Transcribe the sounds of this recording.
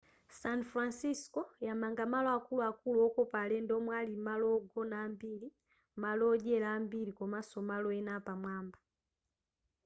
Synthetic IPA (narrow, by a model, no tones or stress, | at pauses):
sanfɾansiskɔjamaŋɡamalɔakulwakulɔːkɔpalɛndɔmwalimalɔɡɔnaːmbili | malɔɟɛlambilikɔmasɔmalɔɛnapamwamba